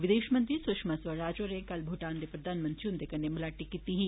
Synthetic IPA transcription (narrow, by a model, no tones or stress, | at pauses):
ʋɪd̪eːʃmɐ̃nt̪ɾisʊʃmasʋɐɾaːd͡ʒoɾẽkɐlbʱoːʈaːnd̪epɾɐd̪ʱaːnmɐ̃nt̪ɾiũnd̪ekɐnːemɐlaːʈikit̪iɦĩ